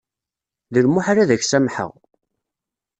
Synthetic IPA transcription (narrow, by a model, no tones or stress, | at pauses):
ðəlmʊħaɾaðæçsæmħə̰ʁ